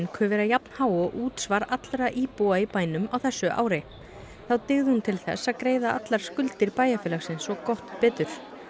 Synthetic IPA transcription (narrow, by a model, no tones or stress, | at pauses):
nkʰœvɪɾajapn̥haːwɔʔuːt̪svaɾat̪lɾaʔiːpuːaipaːjnʏmawθɛsːʏʔa̰ːwɾɪ | θawt̪ɪɣðɪhunt̪ʰɪlθɛ̰sːaðkɾeːjðaʔa̰t̪laɾ̥skʏlt̪ɪɾpaːjafɛːlaxsɪnsɔkɔht̪pɪːt̪ʏɾ̥